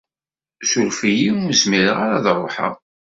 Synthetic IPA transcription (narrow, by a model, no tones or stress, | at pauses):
sulfijiuməzmiɾəʁaɾaðrˤːoħə̰